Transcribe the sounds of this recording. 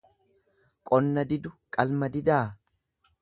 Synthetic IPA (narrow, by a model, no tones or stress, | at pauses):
kʼɔnːɐd̪ɪd̪ʊkʼɐlmɐd̪ɪd̪aː